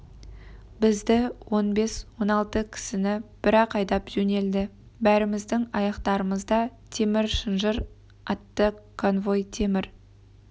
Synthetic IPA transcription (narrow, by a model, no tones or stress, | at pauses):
bɪzd̪ɪwo̞nbe̞swo̞nɑlˠt̪əkʲʰɪ̥sɪnɪb̥ɪɾɑqʰɑjd̪ɑpʒ̥ɵne̞ld̪ɪ | bæɾɪmɪzd̪ɪŋɑjɑqt̪ɑɾəməzd̪ɑt̪ʰe̞mɪɾʃənʒəɾ | ɑt̪ːəkʰonvo̞jt̪ʰe̞mɪɾ